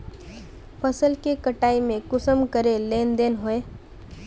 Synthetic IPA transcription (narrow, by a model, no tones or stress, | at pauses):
pʰəsəlkekəʈaːimẽkʊsəmkəɾeleːnd̪eːnɦoe